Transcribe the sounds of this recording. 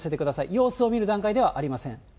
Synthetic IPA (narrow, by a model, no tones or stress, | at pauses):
se̞t̪e̞kɯ̟d̪asaḭjo̞ːsɨo̞mʲiɾɯ̟d̪ãŋkaid̪e̞β̞aʔaɾʲimasẽ̞ŋ